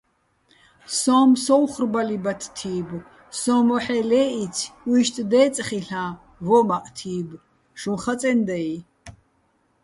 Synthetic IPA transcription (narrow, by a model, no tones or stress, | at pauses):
sɔmsɔwχrbalibat̪ʰt̪ʰiːb | sɔmɔħɛlɛːʔit͡sʰwiʃt̪ʼd̪ɛːt͡sʼχiɬã | vɔmaqʼt̪ʰiːb | ʃumχat͡sʼɛnd̪ɛj